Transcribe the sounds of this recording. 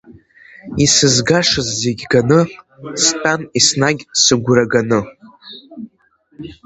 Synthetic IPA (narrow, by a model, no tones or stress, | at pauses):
isɨzɡaʂɨzːeɡʲɡanɨ | stʼanisnaɡʲsɨɡʷɾaɡanɨ